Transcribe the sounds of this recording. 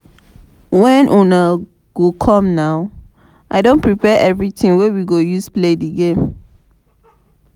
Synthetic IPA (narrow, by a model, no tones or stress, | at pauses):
wɛ̃nʔɔ̃na | ɡ̥okʰɔ̃mnaʊ | ʔaɪdõnpʰɹipɛʔɛvɹitĩŋwɛwiɡojusplediɡẽm